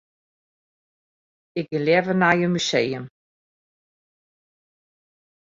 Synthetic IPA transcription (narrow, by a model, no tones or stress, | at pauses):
ɪk̚ɡɪljɛvənajəmysejəm